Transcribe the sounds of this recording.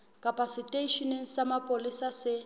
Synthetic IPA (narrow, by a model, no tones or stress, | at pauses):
kʼapʰʼasitʼeʃɔniŋ̩samapʼolisasɪ